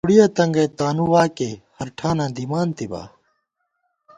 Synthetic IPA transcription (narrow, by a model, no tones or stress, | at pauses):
puɽijat̪ɐŋɡɐt̪aːnuwaːkehɐɾʈʰaːnãːd̪iːmaːnt̪iba̰ː